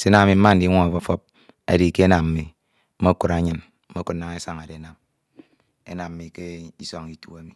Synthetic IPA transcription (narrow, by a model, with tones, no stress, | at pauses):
se˦na˨˦a˨mi˨m̩˦a˦n̩˦di˦ŋʷo˦ŋa˨fo˦fo˦p̚ | a̰˨di˨ke˦e˦na˨m̩˨mi˨˦ | mo˦ku˦˨ɾa˨ɲɨ˦n | m̩˦o˦ku˦na˨ŋe˦sa˨ŋa˨de˨˦na˨m | ḛ˦na˨mm̩˨˦mi˨ke˦i˦so˦ŋi˨tu˦a˦mi˨